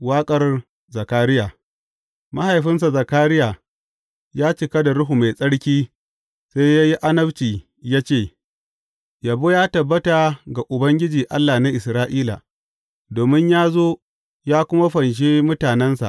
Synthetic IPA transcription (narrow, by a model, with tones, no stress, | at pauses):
waː˦kʼɐ˨r | zɐ˨kaː˦ɾɪ˦jaː˨ | ma˦ha˨jɸɪ˦ns̬a˨za˨kaː˦ɾɪ˦jaː˨ | jaː˦t͡ʃɪ˨kɐ˦da˨ɽʊ˦ɦu˨ma˨jsʼɐ˦ɽkʲiː˦ | sa˦jja˦ji˦ʔa˦nɐ˦bt͡ʃiː˨ | jaː˦t͡ʃeː˦˨ | ja˨boː˦jaː˦tɐ˨bːɐ˦ta˨ɡa˨ʔʊ˨bɐ˦ŋɡʲɪ˦d͡ʒiː˨ʔa˦lːaː˨na˦ʔɪ˨sɾaː˦ʔiː˦la̰˨ | doː˨mɪ˦ɲjaː˦zoː˦ | jaː˦kʷʊ˦ma˦ɸɐ˨nʃ̬e˦mʊ˦taː˨nɛ˦nsa̰˨ʔ